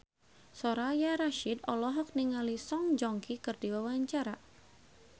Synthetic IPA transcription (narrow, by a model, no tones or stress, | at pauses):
sɔɾajaɾaʃidɔlɔɦɔk̚niŋalisɔŋd͡ʒɔŋkikɨrdiwawaɲt͡ʃaɾa